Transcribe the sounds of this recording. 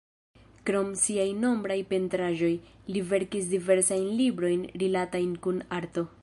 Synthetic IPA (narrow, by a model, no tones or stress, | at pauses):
kɾo̞msiajno̞mbɾajpe̞ntɾaʒo̞jlive̞ɾkis̬dive̞ɾsajnlibɾo̞jnɾilatajnkunaɾto̞